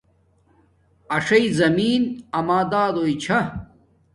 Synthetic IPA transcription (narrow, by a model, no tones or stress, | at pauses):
ɐʂɐizɐmiːnɐmaːd̪aːd̪oit͡ɕʰɐ